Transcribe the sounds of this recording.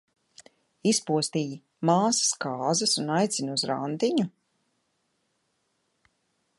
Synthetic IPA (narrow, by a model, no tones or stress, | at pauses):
ispuɔst̪iːji | maːsḁskaːzɐsunajt̪sʲinuzɾa̰nd̪iɲu